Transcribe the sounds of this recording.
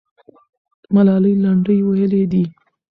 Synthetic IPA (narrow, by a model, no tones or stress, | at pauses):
malɑləjlaɳɖəjwajəled̪i